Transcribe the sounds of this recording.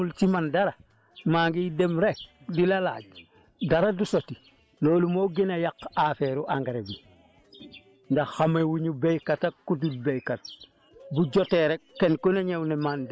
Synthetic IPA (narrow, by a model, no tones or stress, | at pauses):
ult͡ʃimandaɾa | maːŋɡidemɾek̚ | dilala̰ːɟ | daɾadusoti | loːlumoːɡinajakafeɾuʔaŋɡeɾebi | ndaxamewuɲubejkatakːutulbejkat̚ | buɟoteɾekːenkoneɲewnemand